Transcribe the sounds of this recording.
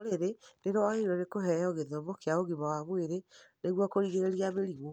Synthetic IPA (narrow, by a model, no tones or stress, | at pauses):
ɾeɾeneɾowaɣeɾɔnekoɦɛjɔɣeðomokeaoɣimawamweɾeneɣwɔkoɾiɣeɾeɾiameɾiɣo